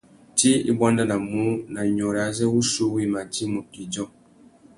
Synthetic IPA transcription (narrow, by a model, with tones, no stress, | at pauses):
ti˦ḭ˦bwa˦nda˦na˨mu˦na˨ɲɔ˨ɾa˨˦zɛ˦wu˦su˦wi˦ma˨ti˦mu˨ki˨d͡ʒɔ˦